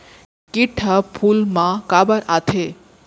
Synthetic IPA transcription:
kiʈʰəpʰulmãkabəɾat̪ʰe

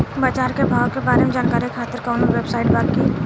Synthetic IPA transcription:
baːt͡ʃaːɾkebʱaːokebaːɾemed͡ʒaːnkaːɾikʰaːt̪əɾkɔːnoʋeːbsaːɪʈbaːki

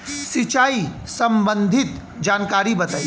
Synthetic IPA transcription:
sɪt͡ʃaːisɐ̃mbə̃nd̪ʱɪt̪d͡ʒaːnkaːɾibɐt̪aːi

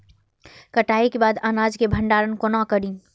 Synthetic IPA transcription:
kəʈaːekebaːd̪anaːd͡ʒkebʱəɳɖaːɾənkonakəɾĩ

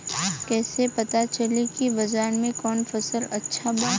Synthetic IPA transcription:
kɛːsepɐt̪at͡ʃɐlekibɐzaːɾmẽkɔːnfɐsəlɐtːʃʰabaː

